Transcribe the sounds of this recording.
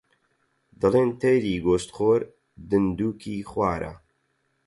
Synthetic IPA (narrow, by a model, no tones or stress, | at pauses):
d̪ɨleːnt̪ʰɛjɾiːɡoːst̪xoːɾ | d̪ɨnd̪uːkʰiːxwʷaːɾa̰